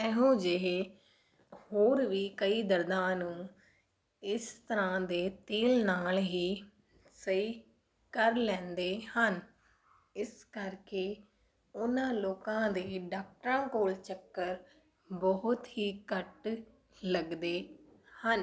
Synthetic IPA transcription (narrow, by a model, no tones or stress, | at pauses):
ɛːɦũːd͡ʒɪɦeː | hoːɾʋiːkəiːd̪əɾd̪ãːnũː | ɪst̪əɾãːd̪eːt̪eːlnaːlɦiː | səiː | kəɾlɛ̃ːnd̪eːhən | ɪskəɾkeː | ʊnãːloːkãːd̪eːɖaːk̚ʈɾãːkoːlt͡ʃəkːəɾ | bɔɦʊt̪ɦiːkəʈ | ləɡd̪eː | hən